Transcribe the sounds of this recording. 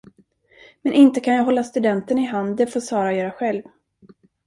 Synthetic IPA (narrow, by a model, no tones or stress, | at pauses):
mɛnʔɪnt̪əkʰanjɑːɦɔlːast̪ɵd̪ɛnt̪ənɪɦand̪d̪ɛfoːsɑːɾajœːɾaɧɛlv